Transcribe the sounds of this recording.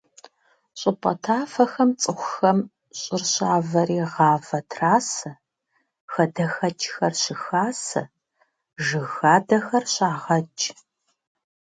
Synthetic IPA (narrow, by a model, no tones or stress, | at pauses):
ɕʼɪpʼɐ̰tʰaːfɐxɐmt͡sʼɨxʷʊxɐm | ɕʼɪrɕaːvɐriːʁɑːvɐtʰraːsɐ | xɐdɐxɐt͡ʃʰʼxɐrɕɪxaːsɐ̰ | ʒɨɣaːdɐxɐrɕʼaːʁɐt͡ʃʰʼ